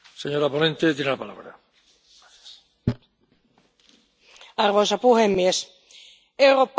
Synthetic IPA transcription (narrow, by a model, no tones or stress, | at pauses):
seɲo̞ɾapo̞nẽ̞nt̪et̪jenelapala̰βɾa̰ | aθjas | ɑrʋojsɑpuhemːies | ewɾoːpː